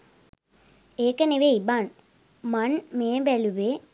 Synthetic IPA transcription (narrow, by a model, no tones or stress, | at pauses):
eːkəneʋeiban | manmeːʋæluʋe